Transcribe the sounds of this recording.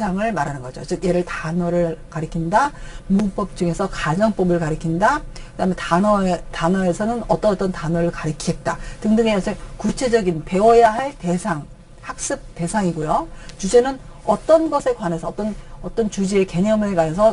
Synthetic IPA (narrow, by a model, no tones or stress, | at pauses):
sʰaŋɯɭmaɾanɯnɡʌd͡ʑo̰t͡ɕɯk̚je̞ɾɯɭtanʌɾɯɭkaɾikʰindamup͈ʌp̚t͡ɕ͈uŋe̞sʰʌkad͡ʑʌŋp͈ʌbɯɭkaɾikʰindakɯdaɦmeʌtanʌe̞sʰʌnɯnʌt͈ʌt͈ʌntanʌɾɯɭkaɾikʰie̞t̚t͈atɯŋdɯŋejʌsʰɯkut͡ɕʰe̞d͡ʑʌɡinpe̞wʌjaɦeɭte̞sʰaŋ | hak̚s͈ɯp̚t͈e̞sʰaŋiɡojot͡ɕud͡ʑe̞nɯn | ʌt͈ʌnɡʌsʰe̞kwane̞sʰʌːt͈ʌnʌt͈ʌnt͡ɕud͡ʑieke̞ɲʌmɯɭkanesʰʌ